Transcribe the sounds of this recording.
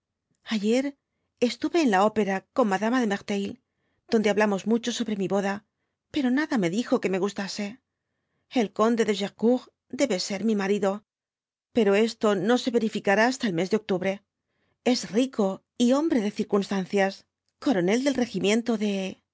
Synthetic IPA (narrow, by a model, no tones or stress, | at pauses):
aʝe̞ɾ | e̞st̪uβe̞ːnlao̞pe̞ɾako̞nmaðamaðe̞meɣt̪ejl | d̪̥ond̪eaβlamo̞zmut͡ʃo̞so̞βɾe̞miβo̞ða | pe̞ɾo̞naðame̞ðixo̞ke̞me̞ɣust̪ase̞ | e̞lko̞nd̪e̞ðe̞ʒeʁkuɣ | d̪e̞βe̞se̞ɾmimaɾiðo̞ | pe̞ɾo̞e̞st̪o̞no̞se̞βe̞ɾifikaɾaːst̪aelme̞zðeo̞k̚t̪uβɾe̞ | e̞zriko̞ | io̞mbɾe̞ðe̞θiɾkunst̪an̟θjas | ko̞ɾo̞ne̞ld̪e̞lre̞ximjẽ̞nt̪oðe̞